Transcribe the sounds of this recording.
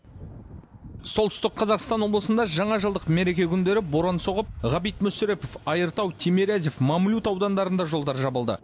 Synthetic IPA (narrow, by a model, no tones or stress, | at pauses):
so̞lˠt̪ʏst̪ɪqqʰɑzɑqst̪ɑnwo̞blˠəsənd̪ɑʒɑɴɑʒəlˠd̪əqmeɾe̞kʲe̞kʲʰʏnd̪e̞ɾɪboɾɑnso̞ʁəp̚ʁɑbijt̪mʏsʏɾe̞pofɑjəɾt̪ɑwt̪ʰemeɾæze̞fmɑmlʲut̪ɑwd̪ɑnd̪ɑɾənd̪ɑʒo̞lˠd̪ɑɾʒɑbəlˠd̪ə̰